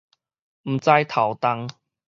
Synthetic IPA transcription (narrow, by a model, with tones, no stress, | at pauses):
m̩˨˩t͡sa˧jt̪ʰa˨˩wt̪a˧ŋ